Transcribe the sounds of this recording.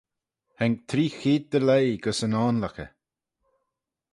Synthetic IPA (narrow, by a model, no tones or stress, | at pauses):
hɛŋk̚t̪ʰɾiːxiːd̪̚d̪əlejɡəsənaːnlakə̰